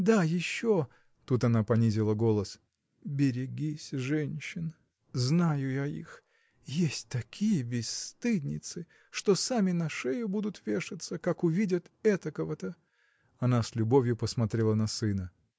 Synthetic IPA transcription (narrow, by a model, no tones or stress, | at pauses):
d̪ajɪɕːo | t̪ut̪ɐnapɐnʲizʲɪlˠəɡo̞lˠəs | bʲɪɾʲɪɡʲisʲʐɛnʲɕːɪn | znajʊjaḭx | jesʲtʲt̪ɐkʲʰijəbʲɪst̪ɨdʲnʲɪ̰t̪sɨ | ʂt̪osamʲɪnɐʂɛjʊbud̪ʊt̪vʲe̞ʂɨt̪səkakʊvʲidʲət̪ɛt̪əkəvət̪ə | ɐnaslʲʊbo̞vʲjʊpəsmɐt̪ɾʲelˠənɐsɨnə